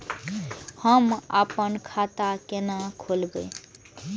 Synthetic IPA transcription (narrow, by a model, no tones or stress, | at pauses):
həma̰pənkʰat̪akenakʰolbə̰